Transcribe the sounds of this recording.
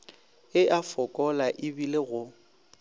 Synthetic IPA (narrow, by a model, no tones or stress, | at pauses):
ɪʔafɔkʼɔlaʔɪbileɣʊ